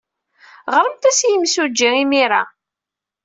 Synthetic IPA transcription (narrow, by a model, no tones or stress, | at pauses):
ʁəɾəmt̪æsjəmsud͡ʒːiimiɾa